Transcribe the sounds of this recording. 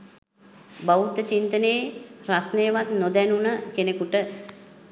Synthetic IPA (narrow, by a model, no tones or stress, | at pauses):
baut̪ət͡ʃint̪əneːrasnejːʋat̪nod̪ɛnunəkenekuʈə